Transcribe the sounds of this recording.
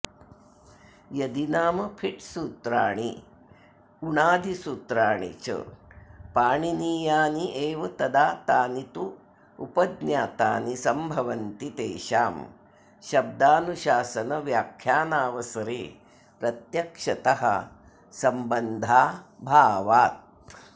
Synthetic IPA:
jɐd̪inaːmɐpʰiʈsuːt̪ɾaːɳi | uɳaːd̪ʱisuːt̪ɾaːɳḭt͡ʃɐ̰paːɳiniːjaːniʔeːʋɐt̪ɐd̪aːt̪aːnit̪u | ṵpɐd̪njaːt̪aːnisɐmbʱɐʋɐnt̪it̪eːʃaːm | ʃɐb̚d̪aːnuʃaːsɐnɐʋjaːkʰjaːnaːʋɐsɐɾeː | pɾɐt̪jɐkʂɐt̪ɐɦɐ̰ | sɐmbɐnd̪ʱaːbʱaːʋaːt̪̚

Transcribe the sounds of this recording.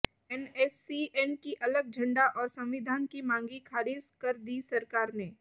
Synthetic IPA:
ɛnɛːsiɛnkiʔɐləɡ̚d͡ʒʱɐ̃ɳɖaʔɔːɾsɐ̃mʋɪd̪ʱaːnkimãːŋɡikʰaːɾɪːd͡ʒkɐɾd̪isɐɾkaːɾneː

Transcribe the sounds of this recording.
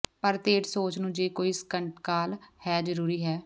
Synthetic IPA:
pəɾt̪eːʈsoːt͡ʃnũːd͡ʒeːkoːiskəɳʈkaːlhɛːd͡ʒəɾuːɾiːɦɛː

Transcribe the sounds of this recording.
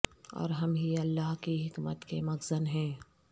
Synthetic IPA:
ɔ̰ːɾɦɐmɦiɐlːaːɦkiɦɪkmət̪kemɐɡzənɦɛ̃ː

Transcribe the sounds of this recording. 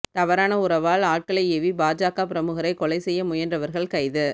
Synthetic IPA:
t̪ɐʋɐɾaːnɐʊɾɐʋaːlaːʈ̚kɐɭɐɪɛʋibaːd͡ʒaːkaːpɪɾɐmʊɣɐɾɐɪkɔɭɐɪsɛjːɐmʊjɐndrɐʋɐɾɣɐɭkɐɪðɯ

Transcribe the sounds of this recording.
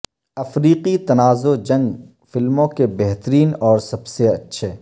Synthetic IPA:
ɐfɾiːqit̪ɐnaːzod͡ʒɐ̃ŋɡ | fɪlmõkebɛɦt̪əɾiːnɔːɾsɐbseɐtːʃʰeː

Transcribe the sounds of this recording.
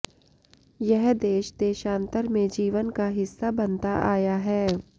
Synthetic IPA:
jɛɦd̪eːʃd̪eːʃãːnt̪əɾmẽd͡ʒiːʋənkaɦɪsːabɐnt̪aʔaːjaɦɛː

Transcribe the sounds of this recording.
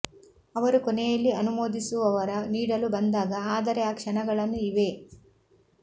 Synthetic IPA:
ɐʋɐɾukɔnɛjɐlːiɐnumoːd̪isuʋɐʋɐɾɐniːɽɐlubɐnd̪aːɡɐaːd̪ɐɾejaːkʂɐnɐɡɐɭɐnːuiʋe̞

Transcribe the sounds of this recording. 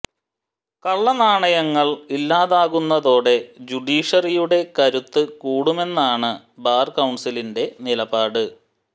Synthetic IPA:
kɐɭːɐnaːɳɐjɐŋːɐɭilːaːðaːɣunːɐðo̞ːɽe̞d͡ʑuɖiːʂɐrijuɽe̞kɐɾut̪ːɨkuːɽume̞nːaːɳɨ | baːrkɐwɳɖsilinde̞nilɐbaːɽɨ

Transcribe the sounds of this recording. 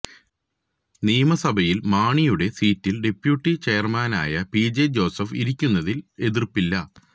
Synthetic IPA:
niːmɐsɐbʱɐjilmaːɳijuɽe̞siːtːilɖe̞pːjuʈːit͡ɕeːɐrmaːna̰ːjɐpid͡ʑed͡ʑo̞ːsɐfiɾikʲːunːɐðile̞ðirpːilːɐ

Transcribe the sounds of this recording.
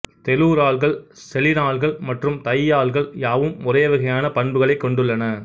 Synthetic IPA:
t̪ɛluːɾaːɭɣɐɭsɛlɪɾaːɭɣɐɭmɐʈrɯmt̪ɐjːaːɭɣɐɭjaːʋɯmːʊrɐjɐʋɪɣɐjaːnɐpɐɳbɯɣɐɭɐɪkːɔɳɖɯɭːɐnɐ

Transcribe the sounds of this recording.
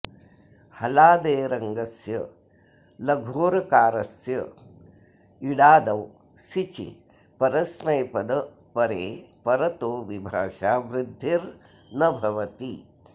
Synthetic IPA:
hɐlaːd̪eːɾɐŋɡɐsjɐ | lɐɡʱoːɾɐkaːɾɐsjɐ | iɽaːd̪ɐw | sit͡ʃḭ | pɐɾɐsmɐjpɐd̪ɐ | pɐɾeːpɐɾɐt̪oːʋibʱaːʃaːʋɾɪd̪ʱːiɾ | nɐbʱɐʋɐt̪i

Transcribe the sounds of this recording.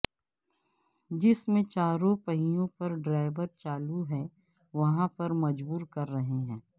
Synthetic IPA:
d͡ʒɪsmẽt͡ʃaːɾõpɐɦijõpɐɾɖɾaːɪʋəɾt͡ʃaːluɦɛ̃ː | ʋɐɦãpɐɾmɐd͡ʒbuːɾkɐɾːɐɦeɦɛ̃ː

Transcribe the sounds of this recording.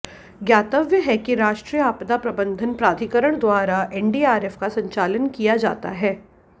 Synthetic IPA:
ɡjaːt̪əʋjəɦɛkiɾaːʃʈɾijəaːpd̪apɾɐbə̃nd̪ʱənpɾaːt̪ʰikəɾəɳ̃d̪waːɾaʔɛɳɖiːaːɾeːfkasɐ̃ɲt͡ʃaːlənkijad͡ʒa̰ːt̪a̰ɦɛː

